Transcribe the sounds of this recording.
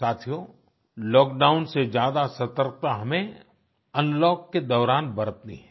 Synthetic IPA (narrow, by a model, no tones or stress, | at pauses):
saːt̪ʰijo | lɔːkɖaːʊnsed͡ʒjaːd̪asɐt̪əɾk̚t̪aɦɐmẽ | ɐ̃nlɔːkːed̪ɔːɾaːnbɐɾət̪nḭɦɛ